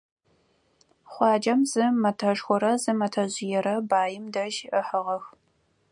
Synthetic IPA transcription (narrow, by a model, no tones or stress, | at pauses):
χʷɑːd͡ʒɐmzɨmɐtʰɐʂxʷɔɾɐzɨmɐtʰɐʑɪjɛɾɐbaːjɪmdɐʒəħəʁɐx